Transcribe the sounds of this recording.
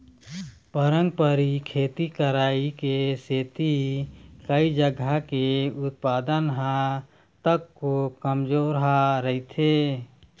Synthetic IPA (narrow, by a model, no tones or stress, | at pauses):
pəɾə̃ŋɡ̚pəɾikʰeːt̪ikəɾaːikeseːt̪ikəid͡ʒəɡʱakeʊt̪̚paːd̪ənɦã | t̪əkːokəmd͡ʒoːɾɦaɾəɦit̪ʰeː